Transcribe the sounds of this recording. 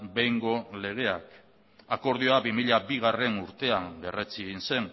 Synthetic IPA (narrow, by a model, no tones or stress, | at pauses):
bejŋɡo̞le̞ɣ̞e̞ak | ako̞ɾðioabimiʎabiɣ̞are̞nuɾt̪e̞ambe̞re̞t͡siɣinse̞n